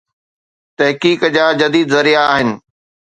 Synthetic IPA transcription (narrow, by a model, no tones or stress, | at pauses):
t̪ɐɦkiːkd͡ʑaːd͡ʑɐd̪iːd̪zɐɾijaːɦɪnɪ̆